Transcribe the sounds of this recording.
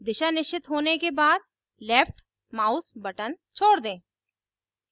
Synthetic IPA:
d̪ɪʃanɪʃt͡ʃɪt̪ɦoːnekebaːd̪̚ | lɛːpʰʈ | maːʊsbɐʈən | t͡ʃʰoːɽd̪ẽː

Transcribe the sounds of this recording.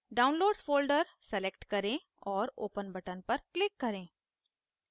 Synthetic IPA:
ɖaːʊ̃nloːɖsfʰoːlɖəɾsɛlekʈkɐɾẽ | ɔːɾo̰ːpənbɐʈənpɐɾklɪkːɐɾẽː

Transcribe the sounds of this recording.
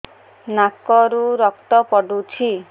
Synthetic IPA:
nakɔɾuɾɔkt̪ɔpɔɖut͡ʃʰi

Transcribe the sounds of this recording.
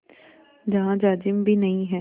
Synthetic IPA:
d͡ʒɐɦãd͡ʒaːd͡ʒɪmbʱinɐĩɦɛː

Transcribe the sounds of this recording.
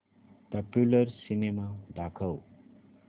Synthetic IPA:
pʌpjulʌrsinemad̪ʱakʰʌw

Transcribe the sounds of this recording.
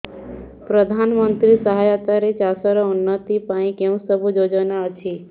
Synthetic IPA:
pɾəd̪ʱanmənt̪ɾisəɦajat̪aɾet͡ʃasəɾɔʊnːət̪ipaĩkẽũsəbʱud͡ʒod͡ʒənaət͡ʃʰi

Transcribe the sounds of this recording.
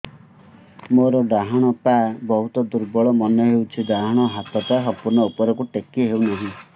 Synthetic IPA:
moɾɔd̪aɦaɽ̃ɔpabɔɦut̪ɔd̪uɾbɔɭɔmɔnɔɦewt͡ʃʰid̪aɦɔɽ̃ɔɦat̪ʰɔt̪aɦɔpuɾnɔupɔɾɔkuʈekieɦewnaɦĩ

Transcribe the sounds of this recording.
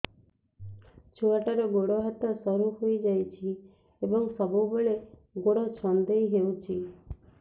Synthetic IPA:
t͡ʃʰuaʈaɾɔɡoɽɔɦat̪ɔsɔɾuɦojd͡ʒajt͡ʃʰi | ebɔŋsɔbubeɭeɡoɽɔt͡ʃʰɔnd̪ejɦewt͡ʃʰi

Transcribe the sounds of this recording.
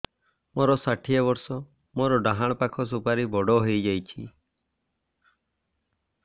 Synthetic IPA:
moɾɔsaʈʰijabɔɾsɔ | moɾɔɖaɦaɽ̃pakʰɔs̬upaɾibɔɽɔɦojd͡ʒajt͡ʃʰi

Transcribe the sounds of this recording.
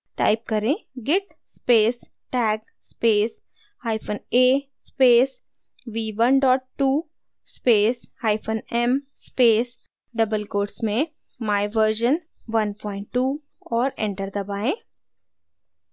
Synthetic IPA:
ʈa̰ːɪp̚kɐɾẽːɡɛʈ | speːs | ʈɛːɡ | speːs | haːɪpʰoneː | speːs | ʋiːʋɐnɖɔːʈːuː | speːshaːɪpʰonɛmspeːs | ɖɐbəlkoːɖsmẽ | maːɪʋəɾʃən | ʋɐnʈpɔ̃ːɪ̃ɳʈːuː | ɔːɾɛ̰̃ɳʈəɾd̪ɐbaːẽː

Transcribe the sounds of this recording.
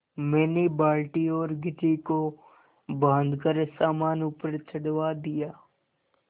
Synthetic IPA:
mɛːnebaːlʈiɔːɾɡɪtiko | bãːnd̪ʱkəɾsaːmaːnupəɾt͡ʃʰəɽwad̪ijaː

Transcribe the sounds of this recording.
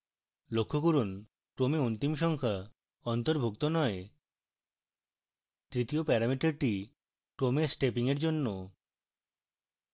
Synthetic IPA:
lokʰːokuɾun | ʈɾomeont̪imʃɔŋkʰa | ɔnt̪oɾbʱukt̪onɔe | t̪ɾit̪iopɛɾamiʈaɾʈi | ʈɾomesʈepiŋeɾd͡ʑonːo

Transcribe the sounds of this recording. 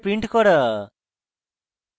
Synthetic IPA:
pɾiɳʈkɔɽə

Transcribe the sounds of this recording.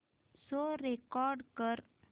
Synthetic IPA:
soɾekɔɾɖkəɾ

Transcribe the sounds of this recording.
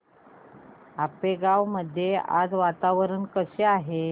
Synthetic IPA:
apeɡaʋməd̪ʱːjea̰d͡zʋat̪aʋɾənkəseaɦe

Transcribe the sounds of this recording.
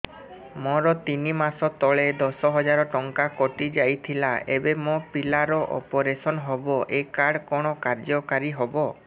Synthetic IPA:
mɔɾɔt̪inimasɔt̪ɔɭed̪ɔsɔɦɔd͡ʒaɾɔʈɔŋkakɔʈid͡ʒajt̪ʰilaebemopilaɾɔʔɔ̰pɔɾesɔnɔɦɔbɔʔekaɽkɔɽ̃ɔkaɾd͡ʒɔkaɾiɦobɔ

